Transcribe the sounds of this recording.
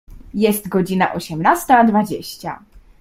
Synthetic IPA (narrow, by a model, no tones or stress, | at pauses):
jɛst̪ɡɔd͡ʑina̰ʔɔɕɛmnast̪ad̪vad͡ʑeɕt͡ɕa̰